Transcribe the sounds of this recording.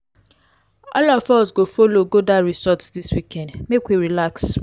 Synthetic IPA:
ɔ̰lɔfɔsɡofoloɡodaɾizɔtsdiswikɛ̃ndmekwiɾilaks

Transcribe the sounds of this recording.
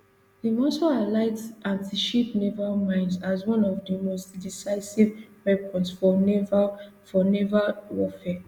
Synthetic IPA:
dimɔsoalaɪtãntiʃipnevamãɪ̃nsazwɔ̃nɔvdimostdisaɪsivpɛpʰɔ̃nsfɔnɛva | fɔnɛvawɔfɛ

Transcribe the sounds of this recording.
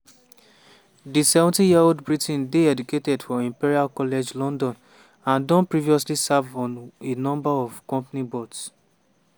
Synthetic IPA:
disɛvɔ̃ntĩjiaoldbɹitʰĩndeɛduketɛdfɔĩmpiɹialkɔlɛd͡ʒlɔ̃ndɔ̃n | ãndɔ̃npɹiviɔs̬lisavɔ̃nenɔ̃mbaɔv̥kɔ̃mpanibots

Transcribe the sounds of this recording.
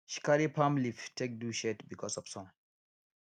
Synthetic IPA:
ʃi̥kaɾipʰãmliftʰek̚duʃɛtbikʰɔsɔv̥sɔ̃m

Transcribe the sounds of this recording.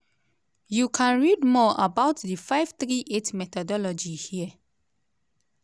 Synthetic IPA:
jukʰãnɹidmɔʔabaʊtdifaɪvtɹiʔetmɛt̪ɔdɔlɔd͡ʒihiə

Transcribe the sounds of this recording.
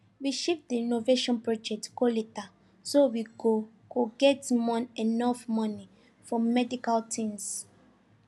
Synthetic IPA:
wiʃipdiinoveʃɔ̃npɹɔd͡ʒɛk̚tkoleta | sowiɡo | kʰoɡɛtmɔ̃nenɔfmɔni | fɔmɛdikaltʰĩms

